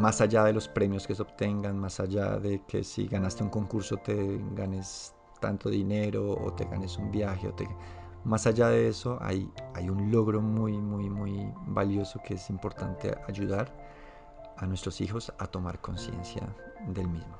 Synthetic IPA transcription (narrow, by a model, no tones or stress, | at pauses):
masaʝaðe̞lo̞spɾe̞mjo̞ske̞seo̞β̥t̪e̞ŋɡanmasaʝa̰ðe̞kʰe̞̰sḭɣanast̪euŋko̞ŋkuɾso̞t̪e̞ɡane̞s | t̪a̰nt̪o̞ðine̞ɾo̞̰ːt̪e̞̰ɣa̰ne̞sumbjaxe̞o̞̰t̪e | masaʝaðe̞e̞so̞ʔa̰jajunlo̞ɣɾo̞mujmujmujbaljo̞so̞ke̞e̞simpo̞ɾt̪ant̪e̞̰aʝuðaɾ | anwest̪ɾosixo̞sat̪o̞maɾko̞nsje̞̰nsja̰ðe̞lmizmo